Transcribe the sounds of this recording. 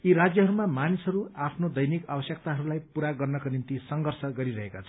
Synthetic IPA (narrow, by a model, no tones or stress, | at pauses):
iɾad͡zjʌɦʌɾumamanisɦʌɾuapʰnod̪ʌjnikabʌsjʌk̚t̪aɦʌɾulajpuɾaɡʌrnʌkonint̪isʌŋɡʌrsʌɡʌɾiɾʌɦekat͡sʰʌ